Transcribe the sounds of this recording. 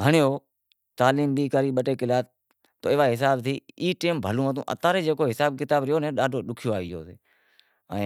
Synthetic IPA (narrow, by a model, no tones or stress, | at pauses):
ɦəɳɪjoː | t̪aːliːmbiːkəɾiːɓəʈeːkɪlaːt̪ː | o̰ːɪʋaːɦɪsaːbt̪ʰiːiːʈeːmbʱəlũːɦət̪ṵ̃ːʔə̰t̪ãːɾeːd͡ʒeːkoːɦɪsaːbkɪt̪aːbɾɪjoːnẽːɗaːɖʱoːɗʊkʰɪjoːaːiːjo̰ːteː | ə̃ː